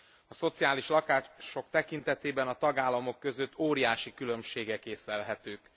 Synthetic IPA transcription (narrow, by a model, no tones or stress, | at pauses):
ɒso̞t̪siaːliʃlɒkaːʃo̞k̚t̪ɛkint̪ɛt̪eːbɛnɒt̪ɒɡaːlːɒmo̞kːø̞zøt̪ʰːoːɾijaːʃikylø̞mʃeːɡɛkeːsɛlɦɛt̪øːk